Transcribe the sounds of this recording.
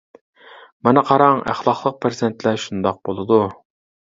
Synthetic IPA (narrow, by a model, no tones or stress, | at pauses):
mɑnɨqʰɑɾɑŋæ̰χlˠɑχlˠəq̚pʰɾzɪnt̪lɛʃund̪ɑq̚bolˠɨd̪u